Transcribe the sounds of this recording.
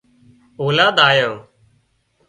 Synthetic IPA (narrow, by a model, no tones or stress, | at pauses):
oːlaːd̪aːjoː